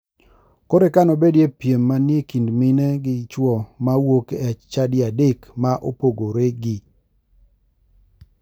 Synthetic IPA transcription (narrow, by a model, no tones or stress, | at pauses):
koɾekanobedjepjemːanjekindmɪnɛɡɪt͡ʃwɔmawokeɛt͡ʃt͡ʃadɪadekmaʔopoɡoɾeɡɪ